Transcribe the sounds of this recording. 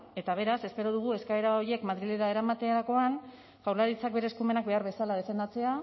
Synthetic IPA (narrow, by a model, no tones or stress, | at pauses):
e̞t̪aβ̞e̞ɾase̞spe̞ɾo̞ð̞uɣ̞ue̞skaeɾao̞ɾie̞kmaðɾile̞ɾae̞ɾamat̪e̞aɾako̞an | fawɾlaɾit͡sak̚be̞ɾe̞ːskume̞nak̚be̞aɾβe̞salað̞e̞fe̞nd̪at͡se̞a